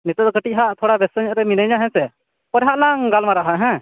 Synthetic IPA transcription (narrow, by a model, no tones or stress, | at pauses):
nit̪əd̪kəʈiɦaʔt̪ʰɔɽabɛsəɲəʔɾɛminəjɲaɦɛ̃sɛ | pəɾɦaʔlaŋɡalmaɾaɦaʔɦɛ̃